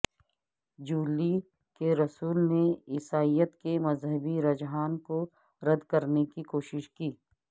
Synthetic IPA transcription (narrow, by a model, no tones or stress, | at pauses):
d͡ʒuːli | keɾɐsuːlneɪsaːijət̪kemɐzɦəbiɾɐd͡ʒɦaːnko | ɾɐd̪kɐɾnekikoːʃɪʃkiː